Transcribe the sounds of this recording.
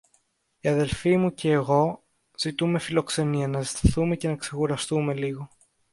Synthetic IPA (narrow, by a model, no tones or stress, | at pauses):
iɐðe̞lfimuce̞ːɣo̞ | z̥it̪ume̞filo̞kse̞niɐnɐzist̪ɐθume̞ce̞nɐkse̞xuɾɐst̪ume̞liɣo̞